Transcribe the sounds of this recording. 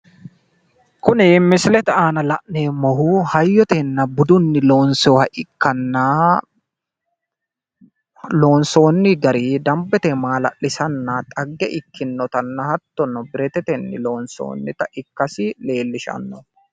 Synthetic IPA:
kʊnɪmɪsɪlɛt̪ɛaːnɐlɐʔneːmɔhuhɐjːɔt̪ɛnːɐbʊd̪ʊnːɪlo̞ːnsohɐʔɪkːɐnːɐ | lo̞ːnso̞ːnːɪɡɐɾiːd̪ɐmbɛt̪ɛmaːlɐ̰ʔːɪsɐnːɐt̪ʼɐɡːɛʔɪkːɪnːɔt̪ɐnːɐhɐt̪ːɔnːɔbɪɾɛt̪ɛt̪ɛnːɪlo̞ːnso̰ːnːɪt̪ɐʔɪkːɐsɪle̞ːlːɪʃɐ̰nːɔ

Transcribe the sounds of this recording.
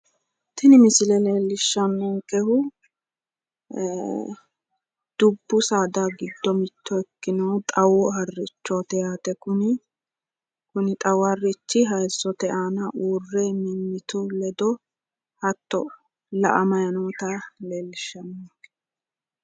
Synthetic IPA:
t̪ɪnɪmɪsɪlɛle̞ːlːɪʃːɐnːɔŋkʼɛhʊ | d̪̥ʊbːʊsaːd̪aɡɪd̪ːɔmɪt̪ːɔɛkːɪnɐwt̪ʼɐwɔhɐrːɪt͡ʃːɔt̪ɛjaːt̪ɛkʊnɪ | kʊnɪt̪ʼɐwɐrːɪt͡ʃːɪɦɐjsːɔt̪ɛʔaːnɐʔuːrːɛmmːɪt̪ʊlɛd̪ɔ | hɐt̪ːɔ̰ | lɐ̰ʔɐmɐjɐnoːt̪ɐleːlːɪʃːɐnːɔŋkʼɛ̥

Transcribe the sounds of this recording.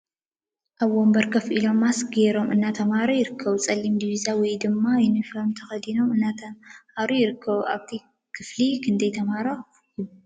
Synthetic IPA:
ʔaβwombɐɾkʰɐfʔilo̞mːasɡeɾo̞mʔɨnːat̪ʰɐmhaɾojɪɾɨkʰːɐβut͡sʼɐlːimd̪iβizawɔjd̪ɨmːajɪnɨflomt̪ʰɐxɐd̪ino̞mɨnːat̪ʰɐhaɾujɪɾɨkʰːɐβuʔaβt̪ʰi | kʰɨflikʰɨnd̪ɐjt̪ʰɐmaɾo | jɪβ

